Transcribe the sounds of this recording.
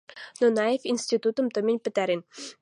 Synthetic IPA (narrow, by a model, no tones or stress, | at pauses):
nonɑefʲinsʲt̪ʲit̪ut̪ə̆mt̪ə̆mʲĭnʲpɘ̆t̪æɾʲenʲ